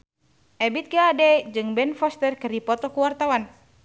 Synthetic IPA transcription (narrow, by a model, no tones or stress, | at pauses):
ʔɛbit̪̚ɡaadɛd͡ʒɨŋbɛnfɔst̪ɛrkəripɔt̪ɔkuwart̪awan